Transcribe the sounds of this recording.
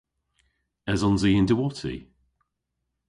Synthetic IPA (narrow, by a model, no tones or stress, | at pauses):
ɛzɔnziːɪndəwɔtʰḭ